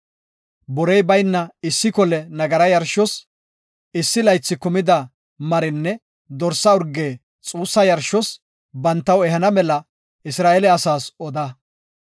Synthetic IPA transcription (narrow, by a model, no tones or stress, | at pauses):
bɔɾɛjbɐjnːɐɪsːɪkɔlɛnɐɡɐɾɐjɐɾʃɔs | ɪsːɪlɐjt͡sːɪkʊmɪd̪ɐ | mɐɾɪnːɛ | d̪ɔɾsɐʊɾɡe̞ː | t͡sʼuːsːɐjɐɾʃɔs | bɐnt̪ːɐwɛɦɐnɐmɛlɐ | ɪsɾaːʔɛlɛɐsaːsɔd̪ɐ